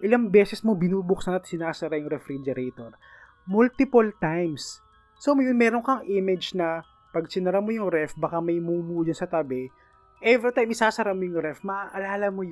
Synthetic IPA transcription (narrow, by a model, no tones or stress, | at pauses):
ʔɪlɐŋbɛːsɛsmobɪnuːbʊksɐnɐt̪̚sɪnaːsɐɾajʊŋɾɛfɾid͡ʒɛɾɛt̪oɾ | mult̪ɪpolt̪ajmsː | omɐjʊnmɛːɾonkɐŋʔɪmɛd͡ʒnɐ | pɐɡ̚sɪnɐɾamojʊŋɾɛfbɐkamɐjmuːmuːʔd͡ʒɐnsɐt̪ɐbɛ | ʔɛvɾit̪ajmɪsaːsɐɾamojʊŋɾɛfmɐʔʔɐlaːlɐmoj